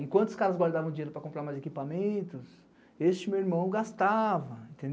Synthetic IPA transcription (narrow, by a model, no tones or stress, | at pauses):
ẽkwɐ̃nt̪ʊskaɾɐzɡwaɾd̪avɐ̃d͡ʒĩeɾʊpɾɐkõpɾaɾmajzekipamẽnt̪ʊs | est͡ʃɪmewiɾmɐ̃w̃ɡast̪avɐẽnt̪ẽnd̪